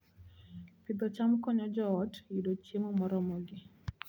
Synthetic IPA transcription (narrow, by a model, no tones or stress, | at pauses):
pid̪ɔt͡ʃamkɔɲɔd͡ʒɔːtjidot͡ʃemɔmɔɾɔmɔɡɪ